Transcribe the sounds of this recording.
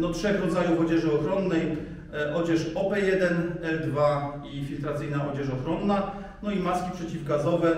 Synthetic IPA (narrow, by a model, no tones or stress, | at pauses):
d̪ɔtʂɛxɾɔd̪zajuvɔd͡ʑɛʐɘɔxɾɔnːɛj | ʔɔd͡ʑɛʂɔpɛjɛd̪ɛnɛld̪vaifʲilt̪ɾat̪sɘjnaɔd͡ʑɛʂɔxɾɔnːa | nɔimaskʲipʂɛt͡ɕivɡazɔvɛ